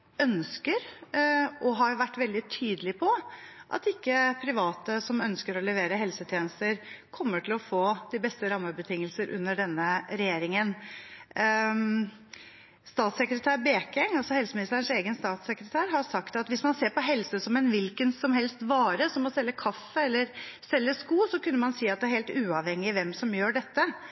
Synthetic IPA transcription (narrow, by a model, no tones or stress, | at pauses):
œnskəɾ | ʔɔɦɑɾjʊʋæʈːʋɛld̪ɪt̪ʰyːd̪əlɪpʰɔʔɑ̰t̪ɪkːəpʰɾɪʋɑːt̪əsɔmœnskəɾɔlɛʋeːɾəɦɛlsət̪ʰjeːnəst̪əɾkʰɔmːəʈʰɪlɔfoːd̪̥ɪbɛst̪əɾɑmːəbət̪ʰɪŋːəlsəɾʔʉ̰nːəɖɛnːəɾɛjeːɾɪŋən | st̪ɑːt̪sɛkɾət̪ʰæːɾbeːkɛŋɑlsɔhɛlsəmɪnɪst̪əɾən̩seːɡənst̪ɑːt̪sɛkɾət̪ʰæːɾhɑɾsɑkt̪ɑt̪ʋɪsmɑnseːɾpɔɦɛlsəsɔmɛnʋɪlkənsɔmɦɛlst̪ʋɑːɾəsɔmːɔsɛlːəkʰɑfːəɛlːəɾsɛlːəskuːsɔkʉnːəmɑnsiːɑt̪̚d̪ɛæɾheːlt̪ʉːɑʋhɛŋːɪʋɛmsɔmjøːɖɛt̪ːə